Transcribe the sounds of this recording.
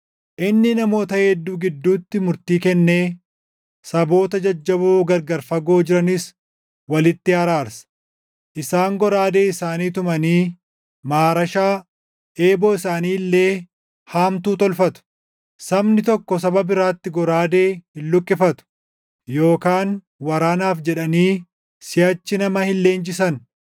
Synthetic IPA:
ʔɪnːɪnɐmo̞ːt̪ɐhɛd̪ːuːɡɪd̪ːuːt̪ːɪmʊɾt̪iːkɛnːe̞ː | sɐbo̞ːt̪ɐd͡ʒɐd͡ʒːɐboːɡɐɾɡɐɾfɐɡo̞ːd͡ʒɪɾɐnɪs | wɐlɪt̪ːɪhɐɾaːɾsɐ̥ | ʔɪsaːŋɡɔɾaːd̪e̞ːɪsaːniːt̪ʊmɐniː | maːɾɐʃaː | ʔeːbɔːɪsaːniːlːe̞ː | haːmt̪uːt̪ɔlfɐt̪ʊ̥ | sɐbnɪt̪ɔkːɔs̬ɐbɐbɪɾaːt̪ːɪɡɔɾaːd̪e̞ːhɪlːʊkʼːɪfɐt̪ʊ̥ | jo̞ːkaːn | wɐɾaːnaːfd͡ʒɛᶑɐniː | sɪɐt͡ʃːɪnɐmɐhɪlːe̞ːnd͡ʒɪsɐn

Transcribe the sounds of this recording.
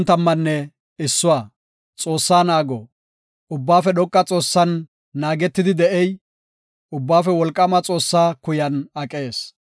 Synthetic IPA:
nt̪ɐmːɐnːɛ | ɪsːʊwaː | t͡sʼo̞ːsːaːnaːɡɔ | ʊbːaːfɛɗɔkʼːɐt͡sʼo̞ːsːɐnː | aːɡɛt̪ːɪd̪ɪd̪ɛʔɛj | ʊbːaːfɛwɔlkʼːɐmɐt͡sʼo̞ːsːaːkʊjɐnɐkʼːeːs

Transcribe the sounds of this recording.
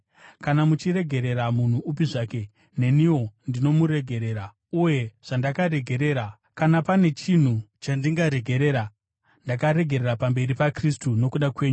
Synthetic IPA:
kanamut͡ʃiɾe̞ɡʱe̞ɾe̞ɾamun̤uːpiʐaːke̞ | ne̞niwo̞ndino̞muɾe̞ɡʱe̞ɾe̞ːɾa | uje̞ʐ̥andakaɾe̞ɡʱe̞ɾe̞ːɾa | kanapane̞t͡ʃin̤ut͡ʃandiŋɡaɾe̞ɡʱe̞ɾe̞ːɾa | ndakaɾe̞ɡʱe̞ɾeɾapambe̞ɾipakris̬tuno̞kuɗakwe̞ːɲu

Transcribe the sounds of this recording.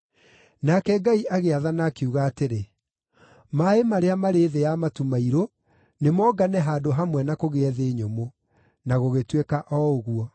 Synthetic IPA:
nakɛɡaiʔaɣeaðanaːkeuɣaːteɾe | maemaɾeamaɾeːðejamatumaiɾo | nemɔːɡanɛɦaːdoɦamwɛnakoɣeɛðeɲomo | naɣoɣetwekaʔɔoɣuɔ

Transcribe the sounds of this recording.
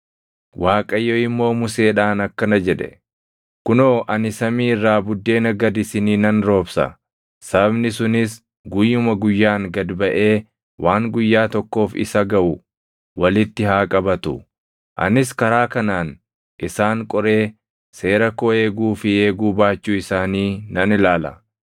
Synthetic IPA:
waːkʼɐjːoːɪmːo̞ːmʊse̞ːᶑaːnɐkːɐnɐd͡ʒɛᶑɛ̥̰ | kʊnoːʔɐnɪsɐmiːɪrːaːbʊd̪ːe̞ːnɐɡɐd̪ɪsɪniːnɐnɾo̞ːbsɐ̰ | sɐbɐbnɪsʊnɪs | ɡʊjːʊmɐɡʊjːaːŋɡɐd̪bɐʔe̞ː | waːŋɡʊjːaːt̪ɔkːo̞ːfɪ̰sɐɡɐʔʊ | wɐlɪt̪ːɪhaːkʼɐbɐt̪ʊ̰ | ʔɐ̰nɪs̬kɐɾaːkɐnaːn | ʔɪsaːŋkʼɔɾe̞ː | se̞ːɾɐkoe̞ːɡuːfɪe̞ːɡuːbaːt͡ʃːuːɪsaːniːnɐnɪlaːlɐ̰

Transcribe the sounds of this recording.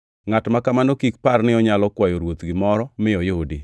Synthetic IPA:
ŋatmakamanokik̚parnɪɔɲalɔkwajoɾwot̪ɡɪmɔɾɔmɪɔjudi

